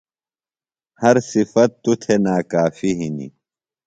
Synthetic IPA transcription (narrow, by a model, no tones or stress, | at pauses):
hɐɾsifɐt̪ːut̪ʰenaːkaːfiɦinḭ